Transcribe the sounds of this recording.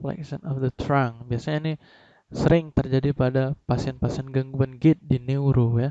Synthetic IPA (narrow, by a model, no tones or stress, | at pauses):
la̰ksə̰nɔfd̪ət̪ɾaŋbiasaɲaini | səɾɪŋt̪ərd͡ʒadipadapasiɛnpasiɛnɡaŋɡuanɡɪt̪̚dineuɾuja